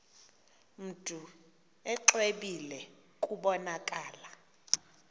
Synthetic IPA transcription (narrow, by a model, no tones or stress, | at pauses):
m̩tʼu | ɛǁweɓilɛ | kʼuɓɔnakʼaːla